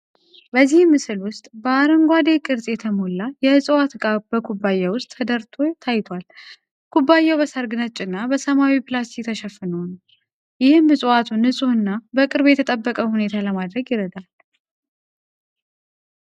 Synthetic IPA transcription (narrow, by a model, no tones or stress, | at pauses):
bəzːihmːɨsɨlwʊst̪ʼbəaɾəŋɡʷad̪e̞kʼɨɾzʼjɛt̪ʰəmolːajɛhɨsʼwat̪ɡabəkʰubːajawʊst̪ʼʰːəd̪əɾt̪ʰo̞t̪ʰajt̪ʰwal | kʰubːajːɛwbəsəɾɡɨnət͡ʃʼːɨnːabəsəmawipʰɨlast̪ʰikt̪ʰəʃɛfɨnəwn | jɪhɨmhɨsʼat̪ʰunhɨsʼuɨnːabəkʼɨɾbjɛt̪ʰət̪ʼəbːəkʼəhune̞t̪ʰaləmad̪ɾəɡjɪɾəd̪al